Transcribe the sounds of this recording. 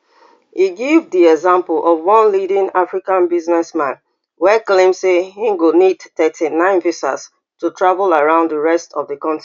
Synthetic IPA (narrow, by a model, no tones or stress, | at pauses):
hiɡivdiɛɡzãmpəl̩ʔɔvwɔ̃nlidĩnafɹikãnbiznɛsmãn | wɛklẽmsehĩŋɡonidtɛtʰinãɪ̃nfisa̰s | tutʰɹavəlaɹãʊ̃ndðəɹɛstʰɔvðəkɔ̃ntɹi